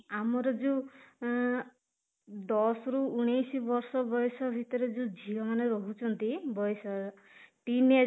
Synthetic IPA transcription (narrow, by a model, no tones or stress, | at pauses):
amɔɾɔd͡ʒu | d̪ɔsɔɾuuɽ̃ejsibɔɾsɔbɔjsɔbʱit̪ɔɾed͡ʒũd͡ʒʱilɔmaneɾɔɦut͡ʃʰɔnt̪ibɔjsɔ | ʈine